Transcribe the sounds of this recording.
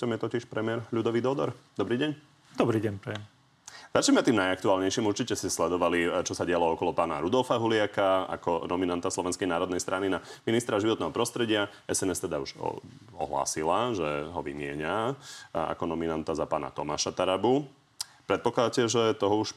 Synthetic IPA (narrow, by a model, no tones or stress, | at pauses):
t̪ɔmjɛt̪ɔciʃpɾɛmɪɛɾʎud̪ɔʋid̪ɔd̪ɔ̰ɾd̪ɔbɾiːɟɛɲ | d̪ɔbɾiːɟɛɲpɾɛjɛm | z̥at͡ʃɲɛmɛat̪iːmnajak̚t̪uaːlɲɛjʃimuɾt͡ʃicɛscɛslɛd̪ɔʋalit͡ʃɔsaɟɪalɔɔkɔlɔpaːna̰ɾud̪ɔlfaɦulɪakaa̰kɔnɔminant̪aslˠɔʋɛnskɛjnaːɾɔd̪nɛjst̪ɾaninaminist̪ɾaʒiʋɔt̪nɛːɦɔpɾɔst̪ɾɛɟɪa | ɛsɛnɛst̪ɛd̪auʒ̰ | ɔ̰ɦla̰ːsilaʒɛɦɔʋḭmɪɛɲa | a̰kɔnɔminant̪azapaːna̰t̪ɔma̰ːʃat̪aɾabu | pɾɛt̪̚pɔklad̪acɛʒɛt̪ɔɦɔuʃ